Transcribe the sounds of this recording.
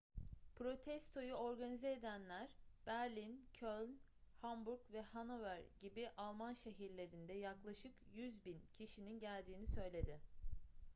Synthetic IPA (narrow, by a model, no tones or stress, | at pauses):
pʰɾo̞t̪ʰɛst̪ʰo̞juo̞ɾɡanizeːd̪ænlʲæɾb̥æɾlʲincʰølʲn | hambuɾkvɛhanovæɾɟibiʔalˠmanʃeɦiɾlʲe̞ɾind̪ɛjaklˠaʃɯkjyzbincʰiʃininɟælʲd̪iːnisø̞jlʲe̞d̪ɪ